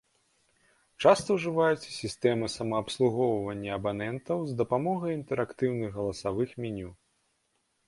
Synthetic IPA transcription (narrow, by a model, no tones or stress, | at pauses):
t͡ʂast̪ɐwʐɨvajut͡sʲsʲist̪ɛmɨsɐmɐːpslˠuɣɔwvɐnʲːɐɐbanɛnt̪ɐwzd̪ɐpamɔɣɐjint̪ɛɾakt̪ɨwnɨɣɣɐlˠɐsavɨxmʲinʲu